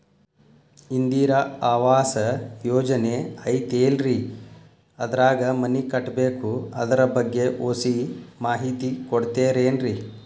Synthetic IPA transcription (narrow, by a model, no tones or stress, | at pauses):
ind̪iːɾɐaːʋaːsɐjɔːd͡ʒɐneɐjt̪eːlɾi | ɐd̪ɐɾaːɡɐmɐnikɐʈːbeːkuɐd̪ɐɾɐbɐɡːe̞ʔoːsimaːɦit̪ikɔɽt̪eːɾeːnɾi